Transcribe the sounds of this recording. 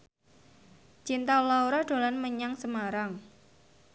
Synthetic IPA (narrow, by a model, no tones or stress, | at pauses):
t͡ʃint̪alawɾad̥o̤lanməɲaŋsəmaɾaŋ